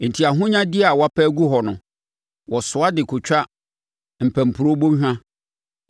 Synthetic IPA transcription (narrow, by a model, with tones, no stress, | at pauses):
n̩˨tʰi˨a˨ɦʊ̃˦ɲã˦dɪ˦a˨wa˦pʰɛ˦ɡu˦ɦɔ˨nʊ̃˨ | wɔ˨sʊ˨˦a˦dɪ˨kʰʊ˨t͡ɕᶣa˦ | m̩˨pʰæ̃˨m̩˨pʰu˨ɾo˦bõ˦ɦᶣã˦